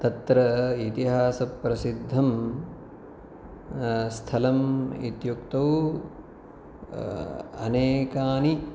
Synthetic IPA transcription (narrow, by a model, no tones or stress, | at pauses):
t̪ɐt̪ɾɐit̪iɦaːsɐpːɾɐsid̪ʱːɐm | st̪ʰɐlɐmit̪jukt̪ɐw | ɐ̰neːkaːni